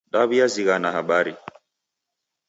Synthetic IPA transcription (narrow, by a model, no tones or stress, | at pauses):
ɗaβiaziɣanahaɓaɾi